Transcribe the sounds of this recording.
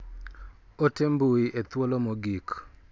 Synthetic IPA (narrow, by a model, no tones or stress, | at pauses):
otembuiʔet̪wolomoɡik